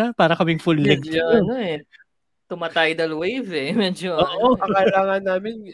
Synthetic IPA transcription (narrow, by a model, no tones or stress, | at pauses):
apaːɾɐkɐmɪŋfʊlːɛɡ̪̚onoɛ | t̪ʊmɐt̪ɐjd̪ɐlwejvɛmɛːd͡ʒoʔoːʔokɐkɐlaːŋɐnːaːmɪn